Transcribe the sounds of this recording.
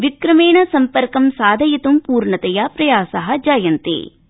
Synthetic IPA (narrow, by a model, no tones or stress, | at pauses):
ʋikɾɐmeːɳɐsɐmpɐɾkɐmsaːd̪ʱɐjit̪umpuːɾɳɐt̪ɐjapɾɐjaːsɐɦɐ̆d͡ʒajɐnt̪ḛː